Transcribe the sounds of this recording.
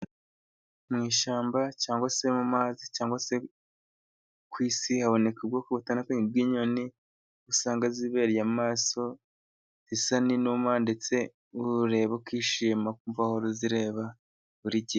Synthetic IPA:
mŋiːʃaːmbacaːŋɡwase̞mumaːzicaːŋɡwase | kwiːsihaβo̞ne̞kub̚ɡoːkoɡutanakoɲib̚ɡiːɲo̞ni | usaːŋɡaziβe̞ːɾjamaːso̞ | z̥isaninuːmande̞t͡se̞ | uɾe̞βokwiːʃimak̚uɱvahoɾoziɾe̞ːβa | βuɾiɟi

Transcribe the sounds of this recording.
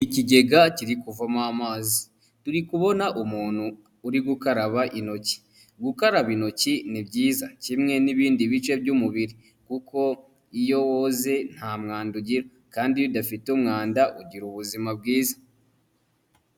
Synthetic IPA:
iciɟe̞ɡaciɾikuvamamaːzi | tuɾikuβo̞naʔumuːn̥huː | ɾiɡukaɾaβaʔino̞ci̥ | ɡukaɾaβino̞cinibɟiːzacimŋe̞niβiːndiβit͡ʃe̞bɟumuβiɾi | kuko̞ | ijo̞woze̞n̥haːmŋaːnduɟiɾo | kaːndijodafitumŋaːndaʔuɟiɾuβuzimab̚ɡiːzḁ

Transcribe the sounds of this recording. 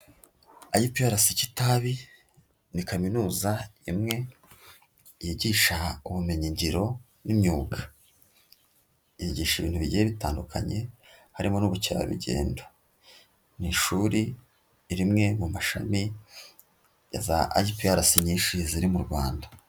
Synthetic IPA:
ajipijaɾasicitaβi | nikaminuːzaḭmŋe̞ | jiɟiːʃauβumeɲiɲɟiɾo̞ | nimɲuːɡḁ | jiɟiːʃiβiːnhuβiɟjeβitaːndukʰa̰ɲe̞ | haɾimonuβuceɾa̰βḭɟe̞̰ːndo | niʃuɾiː | ɾimŋe̞mumaʃa̰mi | ja̰za̰a̰jipijaɾasiɲiːnʃiziɾimuɾɡwa̰ːndḁ

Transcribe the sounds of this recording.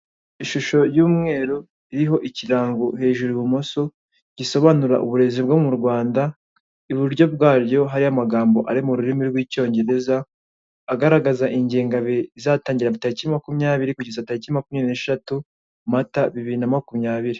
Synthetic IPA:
iʃuʃo̞ɾjuːmŋe̞ːɾo | iɾiɦo̞ʔiciɾaːŋɡoɦe̞ːʒuɾiβumoso̞ | ɟ̥iso̞βanuɾa̰ʔṵβuɾe̞zibɡo̞muɾɡwaːnda | iβuɾɟo̞b̚ɡaːɾɟo̞ɦaɾiamaɡaːmbo̞ʔaɾimuɾuɾimiɾɡwiːco̞ːɲɟe̞ɾe̞zaː | ɡaɾaɡazaʔiɲɟeːŋɡaβeizataːɲɟiɾaβitaɾiciimakumɲaːβiɾikuɟezataɾiciimakumɲeneːʃatu | mataβiβiɾinamakumɲaːβiɾi

